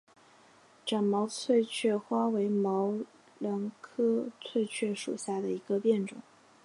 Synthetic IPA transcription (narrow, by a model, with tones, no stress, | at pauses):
ʈ͡ʂɑ˨˩ŋmɑ˧˥ʊt͡sʰwe˥˧ɪt͡ɕʰɥɛ˥˩xwa˥we˧˥ɪmɑ˧˥ʊ | lə˧˥nkʰɤ˥t͡sʰwe˥˧ɪt͡ɕʰɥɛ˥˩ʂṵ˨˩ɕja˥˩d̪ə˩i˧˥ɡə˧pjɛ˥˩nʈ͡ʂʊ̰˨˩˦